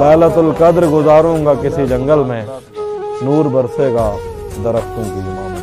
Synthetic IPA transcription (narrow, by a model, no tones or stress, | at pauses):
lɛːlət̪ʊlkɐd̪ɾɡʊzaːɾõːɡakɪsid͡ʒɐ̃ŋɡəlmẽ | nuːɾbəɾseːka | d̪əɾəkt̪õkiʊ̃a̰ː